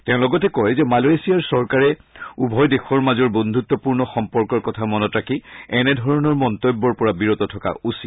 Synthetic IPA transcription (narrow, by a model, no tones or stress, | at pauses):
tɛ̃ʊ̃lɔɡɔtɛkɔjzɛmaloesijaɹsɔɹkaɹɛubʱɔjdexɔɹmazɔɹbond̪ʱut̪ːɔpuɹnɔxɔmpɔɹkɔɹkɔtʰamɔnɔtɹakʰiɛnɛdʱɔɹɔnɔɹmɔntojbːɔɹpɔɹabiɹotɔtʰɔka̰usi